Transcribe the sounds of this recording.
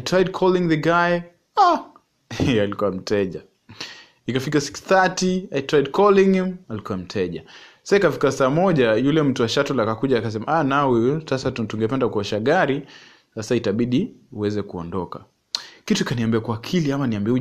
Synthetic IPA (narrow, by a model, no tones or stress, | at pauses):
ajtɾajd̚kʰɔliŋðəɡaj | a | ɛalikuwam̩tɛʄa | ikafikasi̥kstatiajitɾaidkʰɔliŋhimalikuwam̩tʰɛʄa | asaikafi̥kasaːmɔʄajulɛm̩tuwaʃatɔlakakuʄakas̬ɛmaʔanawɛsasatutuŋɡɛpɛndakuɔʃaɠaɾi | sasaitaɓiɗiuwɛzɛkuɔ̰ndɔka̰ | kituikaniambiakwakʰiliamaniambiɛu